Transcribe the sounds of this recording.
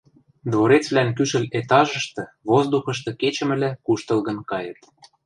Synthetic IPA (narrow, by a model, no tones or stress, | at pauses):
d̪βoɾet͡sβlænkyʃɘ̆let̪ɑʒɤ̆ʃt̪ɤ̆ | βozd̪uxɤ̆ʃt̪ɤ̆ket͡ɕə̆mɘ̆lækuʃt̪ɤ̆lɣɤ̆nkɑjɤ̰̆t̪